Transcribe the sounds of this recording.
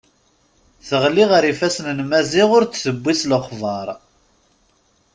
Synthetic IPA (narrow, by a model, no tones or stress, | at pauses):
θəʁliʁəɾifæsnənmæziʁʊɾt͡sːθəbːisləχðˤɑɾˤ